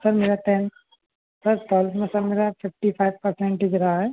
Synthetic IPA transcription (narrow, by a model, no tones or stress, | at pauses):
sɐɾmeːɾaʈɛn | sɐɾt̪ɔːlsmẽsɐɾmeːɾafʰɪfʈipʰaɪʋpɐɾsɛ̃ɳʈɦɪd͡ʒɾɐɦaɦɛː